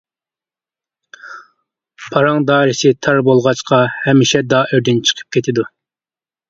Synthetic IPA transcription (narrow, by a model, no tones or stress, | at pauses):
pʰɑɾɑŋd̪ɑːɾɪsɪt̪ʰɑɾbolˠʁɑt͡ʃqʰɑhɛmːɪʃɛd̪ɑːʔøɾd̪ɪnt͡ʃʰə̥qʰə̥p̚kʲʰet̪ʰɪd̪u